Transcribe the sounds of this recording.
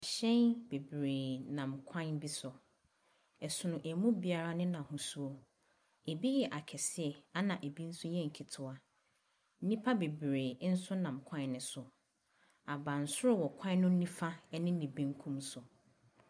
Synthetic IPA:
a˨ɕɛ̃˦nbe˨bɾeː˨nã˨mkʷʰã˦nbi˦sʊ˨ | ɛ˨sʊ˨nʊ̃˨ʔæ˨mũ˦bi˨a˨ɾa˦nɪ̃˦nã˨hũ˨su˦o˦ | e˨bi˦jɛ˨ʔa˨kʰɛ˨sɪ˦ɛ˨a˦nã˨ʔe˨bi˦n̩˦sʊ˦jɛ̃˦˨ŋ̩˨kʰi˨tʰʊ˨a˨ | n̩˦nĩ˦pʰa˦be˨bɾe˨˦n̩˦sʊ˦nã˨mkʷʰã˦nːɪ̃˨sʊ˨ | a˨bã˨n̩˨sʊ˦ɾʊ˦wɔ˨kʷʰã˦nʊ̃˦nĩ˦fa˦nɪ̃˦nĩ˨bẽ˦ŋ˦kʰũ˦msʊ˨

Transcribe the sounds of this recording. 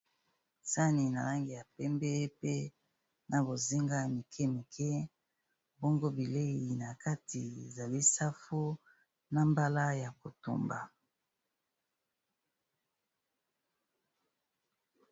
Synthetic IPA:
sa˦ni˨na̰˨la˦ŋɡi˨ja˨pɛ˦mbɛ˦pe˦ | na˨bo˨zi˦ŋɡa˦˨mi˨kʰɛ˦mi˨kʰɛ˦ | bo˦ŋɡo˦bi˨le˦i˨na˨ka˦ti˨e˨za˨li˦sa˦fu˦ | na˦mba˦la˦ja˨ko˨to̰˨mba̰˨

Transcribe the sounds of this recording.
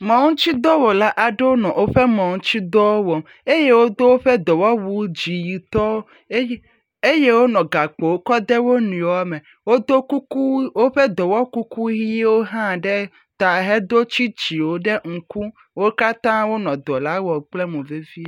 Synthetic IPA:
mɔ̃˨ŋũ˦t͡ɕi˦d̪ɔ˦wo˨la˦ʔa˨ɖe˦wo˦nɔ̃˨wo˦ɸɛ˦mɔ̃˨ŋũ˦t͡ɕi˦d̪ɔ˦wɔ˨m | e˦je˦wo˦d̪o˦wo˦ɸɛ˦d̪ɔ˨wɔ˦wu˨d͡ʑi˨ji˨t̪ɔ˦wo˦ | e˦je˦wo˦nɔ̃˨ɡa˨k͡po˨wo˦kɔ˦d̪ɛ˦wo˦nũ˨˦a˦me˨ | wo˦d̪o˦ku˦u˦wo˦ɸɛ˦d̪ɔ˨wɔ˦ku˦ku˦ɦi˦e˦wo˦ɦã˦˨ɖɛ˦ | t̪a˨ɦɛ˦d̪o˦t͡ɕi˦d͡ʑi˨wo˦ɖe˦ŋ̩˨ku˦ | wo˦ka˦t̪ã˦wo˦nɔ̃˨d̪ɔ˨la˦wɔ˨k͡ple˦mũ˨ve˦vi˦

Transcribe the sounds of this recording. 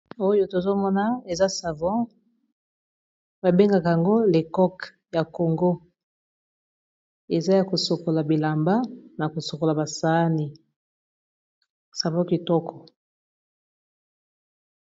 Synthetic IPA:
o˦jo˦to˨zo˦mɔ˦na˦e˨za˦sa˨vɔ̃˦ | ba˨be˦ŋɡa˨ka˨ja˨ŋɡo˦le˨kɔ˦k | ja˨ko˨ŋɡo˦ | e˨za˦ja˨ko˨so˨ko˨la˨bi˨la˨mba˦na˨ko˨so˨ko˨la˨ba˨sa˦ni˨ | sa˨vɔ̃˦ki˨tɔ˦kʰɔ˨

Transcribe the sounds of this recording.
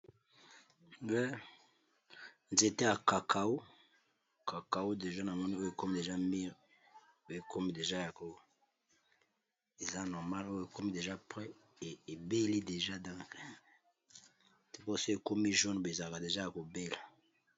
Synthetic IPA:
bɛ˦ | nze˨te˦a˨ka˨kʰa˨u˦ | ka˨ka˨wu˦de˨ʒa˦na˨mɔ˦ni˦o˦jo˨e˨ko˦mi˦de˨ʒa˦mi˦ʁ | o˦je˨kʰo˦mi˦de˨ʒa˦ja˨ko˦ | e˨za˦nɔ˨ma˦lo˦je˨ko˦mi˦de˨ʒa˦pʁɛ˦˨ | e˨be˦li˦de˨ʒa˦dã˦ke˨ | tu˨ko˦˨so˦e˨ko˦mi˦ʒo˦n˨be˨za˨la˨ka˨de˨ʒa˦ja˨ko˨be˦la˨

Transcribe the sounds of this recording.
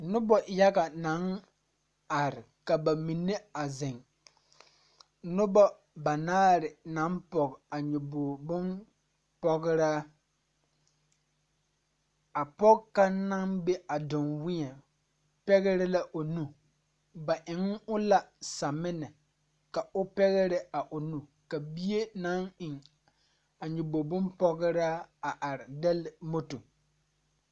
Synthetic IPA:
nʊ˦bɔ˨ja˦ɡa˨na˨˦ŋ | a˨ɾɪ˨ | ka˨ba˨mi˨nːe˦a˨zɪ˨ŋ | nʊ˦bɔ˦ | ba˨naː˦ɾɪ˨na˨˦npɔ˨ɡa˨ɲʊ˨bʊː˨bʊ˦n | pɔ˦ɡɪ˦ɾaː˦ | a˨pɔ˦kka˦na˦nbe˦a˨dʊ˨nwɪ˦ɲɛ˨ | pɛ˦ɣɛ˦ɾɛ˦la˦ʔo˨nu˦ | ba˨ʔɪ˨ŋʊ˦la˦sa˨mɪ˦nɛ˨ | ka˨ʔʊ˦pɛ˦ɣɛ˦ɾɛ˦a˨ʔʊ˨nu˨ | ka˨bi˦je˦na˦ŋɪ˨ŋ | a˨ɲʊ˨bo˨bʊ˦npɔ˦ɣɪ˦ɾaː˦a˨ʔa˨ɾɪ˨dɛ˦lɪ˨mo˦to˨

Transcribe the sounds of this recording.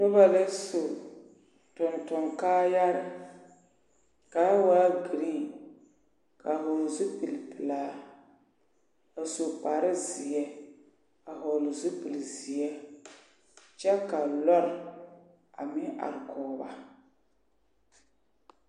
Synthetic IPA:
nʊ˦ba˦le˦so˨ | tʊ˨ntʊ˨ŋkaː˦ja˦ɾɪ˦ | ka˨˦waː˦ɡi˨ɾi˦ | ka˨ɦɔ˨zu˦pi˨lpɨ˨laː˦ | a˨so˨pa˨ɾɪ˦zi˨jɛ˦ | a˨ɦɔ˨lʊ˨zu˦pɨ˨lzi˨jɛ˦ | t͡ʃɛ˦ka˨lɔ˦ɾɪ˨ | a̰˨mɪ˦ʔa̰˨ɾɪ˨kʰɔː˨ba̰˨

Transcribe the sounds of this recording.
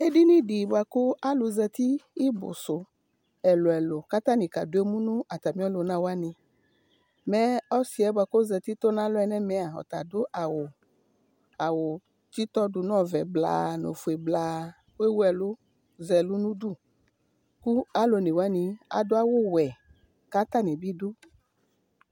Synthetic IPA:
e˦di˦nĩ˦di˨bwa˨ko˦a˦lʊ˧zɛ˧t̪i˦i˦bʊ̰˨sʊ˨ | ɛ˨lo˨ɛ˨lo˨ka˦t̪a˦nĩ˨ka̰˨do˦e˦mũ˦nʊ̃˦a˨t̪a˨mĩ˦ɔ˦lo˨nã˦wa˦nĩ˨˧ | mɛ˦ɔ˦si˦ɛ˦bwa˧ko˦zɛ˧t̪i˦t̪o˦nã˦lʊ˦ɛ˨nɛ˦mɛ˨a˨ɔ̰˨t̪a˨dʊ˦ʔa˨wʊ˨ | a˨wo˨ | t͡ʃi˦t̪ɔ˦du˨nɔ̃˦vɛ˨bla̰˨no̰˨fu˨e˨bla˨ | ke˦wu˦ɛ˨lo˦ | zɛ˨lu˦nũ˦du˦˨ | ku˦a˦lo˧ne˨wa˦nĩ˧a̰˨do˦a˦wo˦wɛ˨ | ka˦t̪a˦ne˨bi˦do˦

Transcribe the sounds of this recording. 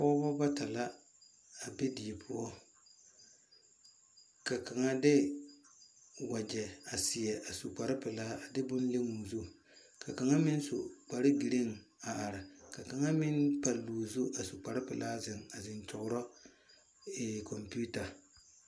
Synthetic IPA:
pɔː˦bɔ˦ba˦ta˨la˦ | a˨be˦di˨ɛ˨pʰʊ˦ɔ˦ | ka˨ka˨ŋa˦dɪ˦ | wa˨d͡ʒɛ˨a˨sɪ˨jɛ˨a˨su˨k͡pa˨ɾɪ˦pɪ˨laː˦a˨dɪ˦bʊ˦n˦le˦ŋu˨zu˦˨ | ka˨ka˨ŋa˦mɪ˦n˦so˨k͡pa˨ɾɪ˦bi˨ɾe˦ŋ˨a˨ʔa˨ɾɪ˨ka˨ka˨ŋa˦mɪ˦npa˨luː˨zʊ˦ʔa˨su˨k͡pa˨ɾɪ˦pɪ˨laː˦zɪ˨ŋa˨zɪ˨nt͡ʃʊ˨ɡʊ˦ɾɔ˦ | ɛ˨kɔ˨mpi˦u˦ta˨

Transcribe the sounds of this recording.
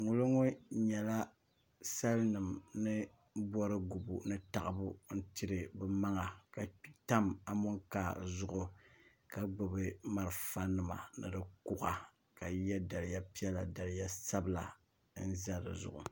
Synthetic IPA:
ŋʊ˨lo˦ŋʊ˦ɲɛ˨la˦ | sa˦lnɨ˨mnɨ˦ | bɔ˦ɾɨ˦ɡu˨bṵ˨nɨ˦ta˨ʔɨ˨bʊ˦n̩˦ti˦ɾɨ˨bɛ˨ma˦ŋa˨ka˨˦ta˦ma˨mʊ˦ŋkaː˨zʊ˨ʔʊ˨ | ka˨ɡ͡bʊ˨bɨ˦ma˦ɾɨ˨fa˦nɨ˨ma̰˨nɨ̰˨dɨ˦ku˦ʔa˨ | ka˨jɛ˦da˨lɪ˦ja˦pi˦ɛ˦la˨da˨lɪ˦ja˦sa˦bɨ˨la˨ | n̩˦za˦ɾɨ̰˨zʊ̰˨ʔʊ̰˨

